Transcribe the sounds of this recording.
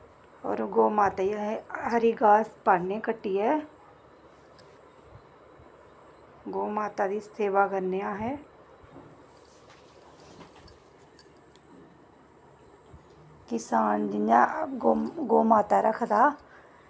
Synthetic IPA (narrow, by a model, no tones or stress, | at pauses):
ɔ̰ːɾɡoːmaːt̪ajaɦəɾiɡaːspaːɽnekəʈːiɦɛː | ɡoːmaːt̪ad̪isteːʋakəɾnejaɦɛ | kɪsaːnd͡ʒɪɲa | ɡoːmaːt̪aɾəkʰd̪aː